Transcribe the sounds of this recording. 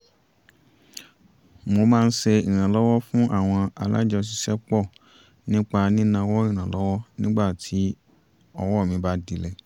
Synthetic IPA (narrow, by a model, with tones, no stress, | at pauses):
mo˧mãː˦˧n̩˦ʃɛ˧i˨ɾ̃ã˨lɔ˦wɔ˦fũ˦ʔa˦˨w̃ɔ̃˧a̰˧la˦d͡ʒɛ˧ɔ˧˨s̬i˧ʃɛ˦k͡pɔ˦˨ | nĩ˦k͡pa˧nĩ˦nã˧wɔ˦ĩ˦˨ɾ̃ã˨lɔ˦wɔ˦nĩ˦ɡ͡ba˦˨tʰi˨˦ | ɔ˧wɔ˦˨mĩ˨˧ba˦di˨˦lɛ˦˨